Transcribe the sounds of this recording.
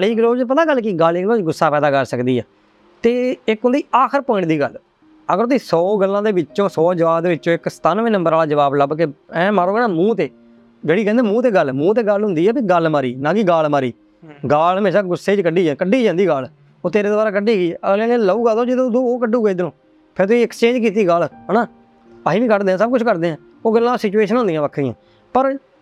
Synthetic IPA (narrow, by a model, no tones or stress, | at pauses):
liːɡəloːt͡ʃp̬ət̪aːɡəlkiɡaːliːɡəloːt͡ʃɡʊsːaːpɛːd̪aːkəɾsəkd̪iːɛ̰ː | t̪eːɪkɦʊnd̪iːaːkʰəɾpoːɪ̃ɳʈd̪iːɡəl | əɡəɾt̪iːsɔːɡəlːãːd̪eːʋɪt͡ʃːõːsɔːd͡ʒəʋaːbd̪eːʋɪt͡ʃːt͡ʃõːɪksə̥t̪aːnʋẽːnə̃mbəɾaːlaːd͡ʒəʋaːbləbkeɛ̃ːmaːɾoːɡɛːnaːmũːt̪eː | d͡ʒəɽiːkɛ̃ːnd̪eːmũːt̪eːɡəlmũːt̪̬eːɡəlɦʊ̃nd̪iːɛːbiɡəlmaːɾiːnãːkɪɡaːlmaːɾiː | ɡaːlɦəmeːʃaːɡʊseːd͡ʒkəɖiːd͡ʒakəɖːiːd͡ʒãːnd̪iːɡaːl | oːt̪eːɾeːd̪obaːɾaːk̬əɖiːkiːəlɛ̃ːeːləuːɡaːd̪õːd͡ʒɪd̪õd̪õːoːk̬əɖũːɡeːd̪ɪnõː | pʰɪɾt̪ʊsiːɛkst͡ʃẽːd͡ʒkiːt̪̬iːɡəlɦnaː | paːiːʋĩːkəɾd̪eːɛ̃ːsəb̚kʊt͡ʃʰkəɾd̪ẽːɛ̃ː | oːɡəlːãːsɪt͡ʃueːʃənɦʊ̃nd̪ijãːʋəkʰd̪ijã̰ː | pəɾ